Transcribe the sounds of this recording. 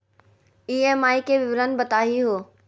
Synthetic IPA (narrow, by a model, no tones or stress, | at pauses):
iːemaːikeʋɪʋɾənbɐt̪aːɦiɦoː